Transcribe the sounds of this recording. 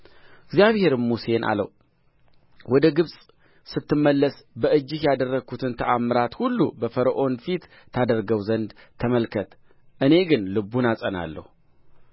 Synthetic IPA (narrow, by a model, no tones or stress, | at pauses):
ɪɡzijaβhe̞ɾmuse̞nʔa̰lə̰w | wɔd̪əɡɨβsʼ | sɨt̪ʰːɨmːəlːəsbəɨd͡ʒːɪhjad̪ərːəɡʰut̪ʰɨnt̪ʰəʔamːɨɾat̪hulːubəfəɾəʔo̞nfit̪ | t̪ʰad̪əɾɡəwzənd̪ | t̪ʰəməlkʰət̪ | ʔɨne̞ɡɨnlɨbːunasʼəna̰lːə̰hu